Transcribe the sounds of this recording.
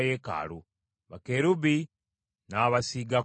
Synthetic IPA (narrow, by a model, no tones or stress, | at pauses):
jeːka̰ːlu | βakeɾubi | naβasiɡa